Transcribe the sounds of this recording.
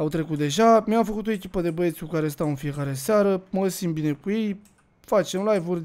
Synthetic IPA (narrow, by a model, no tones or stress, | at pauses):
awt̪ɾe̞kut̪̚d̪e̞ʒamiamfəkut̪o̞e̞kʲi̥pəd̪e̞bəje̞t̪sʲkukaɾe̞st̪awɨnfije̞kaɾe̞seaɾəməsimbine̞kuje̞j | fat͡ʃe̞mlajvurʲ